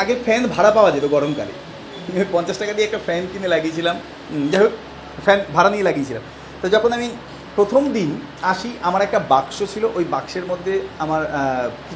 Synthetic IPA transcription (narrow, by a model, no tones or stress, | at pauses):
aɡefɛnbʱaɽapaoad͡ʑet̪oɡɔɾomka̰lḛ | opɔnt͡ɕaʃʈakaɾd̪ieɛk̚ʈafɛnkinelaɡiet͡ɕʰilam | d͡ʑaɦo | fɛnbʱaɽanielaɡijet͡ɕʰilam | t̪ɔjd͡ʑɔkʰonami | pɾot̪ʰomd̪in | aʃiʔamaɾɛk̚ʈabakʃot͡ɕʰiloʔojbakʃeɾmod̪ʱːeamaɾki